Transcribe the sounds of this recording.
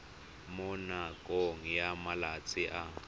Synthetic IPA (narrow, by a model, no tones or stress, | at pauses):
mʊnakʼoŋ̩jamalat͡sʼɪʔa